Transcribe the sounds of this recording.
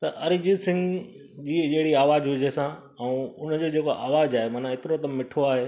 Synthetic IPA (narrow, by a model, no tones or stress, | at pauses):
t̪ɐʔɐɾid͡ʑisɪ̃ŋɡ | d͡ʑiːd͡ʑɐɦɪɽiaːʋaːd͡ʑɦʊd͡ʑesã | ɛ̃ʊn̤d͡ʑoːd͡ʑeːkoʔaːʋaːd͡ʑaːɦemaːnãɪt̪ɪɾoɐt̪ɐmːɪʈʰoaːɦeː